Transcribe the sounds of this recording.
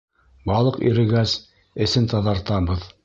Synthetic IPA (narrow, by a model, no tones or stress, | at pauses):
bɑlˠɤqḭɾɘ̆ɡæz | ɘ̆sɘnt̪ɑðɑɾt̪ɑbɤð